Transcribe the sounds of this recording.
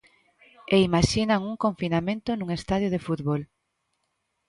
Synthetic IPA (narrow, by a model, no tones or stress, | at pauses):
eimaʃinaŋuŋkõɱfinamẽnt̪ʊnuŋest̪að̞joð̞efut̪βol